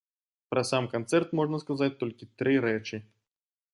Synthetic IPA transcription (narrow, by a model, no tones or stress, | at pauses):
pɾʔɐsamkant̪sɛrt̪mɔʐnɐskazat͡sʲt̪ɔlʲkʲit̪ɾɨɾɛt͡ʂɨ